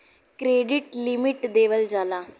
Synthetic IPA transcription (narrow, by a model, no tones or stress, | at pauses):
kɾeːɖɪʈlimɪʈd̪eːʋəld͡ʒaːlãː